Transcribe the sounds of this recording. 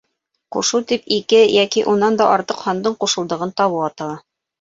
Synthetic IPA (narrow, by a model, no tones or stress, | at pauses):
qṵʃut̪ipikɘjækiʔunɑnd̪ɑʔɑɾt̪ɤqhɑnd̪ɤɴquʃɤ̆lˠd̪ɤ̆ʁɤnt̪ɑβɤɑt̪ɑlˠɑ